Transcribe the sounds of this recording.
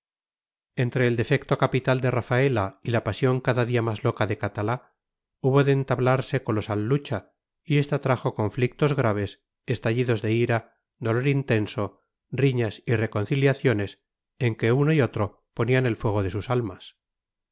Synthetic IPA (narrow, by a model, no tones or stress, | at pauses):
e̞nt̪ɾe̞ːld̪e̞fe̞k̚t̪o̞kapit̪ald̪e̞rafaelailapasjo̞ŋkaðaðiamazlo̞kaðe̞kat̪ala | uβo̞ðe̞ːnt̪aβlaɾse̞konlo̞salːut͡ʃa | ie̞st̪at̪ɾaxo̞ko̞ɱflik̚t̪o̞zɣɾaβ̞e̞s | est̪aʎiðo̞zðeiɾa | d̪o̞lo̞ɾint̪e̞nso̞ | riɲasire̞ko̞nθiljaθjo̞ne̞s | eŋke̞uno̞io̞t̪ɾo̞ | po̞niane̞lfwe̞ɣ̞o̞ð̞e̞susalmas